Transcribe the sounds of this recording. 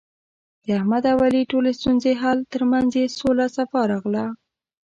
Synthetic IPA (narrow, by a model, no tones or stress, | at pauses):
d̪̥əahmad̪awaliʈolest̪unzeɦalt̪əɾmanzesolasafɑɾɑɣla